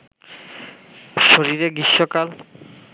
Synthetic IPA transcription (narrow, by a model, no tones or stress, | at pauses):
ʃoɾiɾeɡiʃːokal